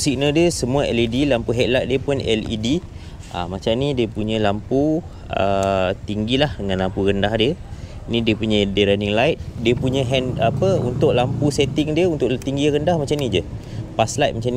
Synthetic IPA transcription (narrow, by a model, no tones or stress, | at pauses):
sik̚nədiəsəmũaɛlidilampuɦɛt̪̚lajt̪̚diəpʊnɛ̰lḭdi | a̰mat͡ʃamnĩdiəpuɲə̃lampu | ə̰t̪iŋɡilahdəŋãnlampuɾəndahdiə | nĩdiəpuɲədiɾaniŋlajt̪̚diəpuɲə̃ɦɛnapəṵnt̪ʊʔlampusɛt̪ɪŋdiəunt̪ʊʔt̪iŋɡiɾəndahmat͡ʃamnĩd͡ʒə | paslajt̪̚mat͡ʃamn